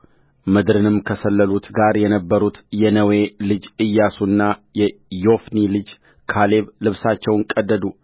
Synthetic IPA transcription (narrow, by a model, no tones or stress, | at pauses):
mɨd̪ɾɨnɨmkʰəsəlːəlut̪ɡaɾjɛnəbːəɾut̪jɛnəwe̞lɨd͡ʒɨjːasunːajɛjo̞fnilɨd͡ʒ | kʰale̞βlɨβsat͡ʃːɛwŋkʼəd̪ːəd̪u